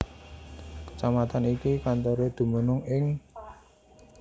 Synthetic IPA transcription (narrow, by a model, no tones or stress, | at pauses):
kə̥t͡ʃamat̪anikikant̪oɾod̪̥ṳmənʊŋɪŋ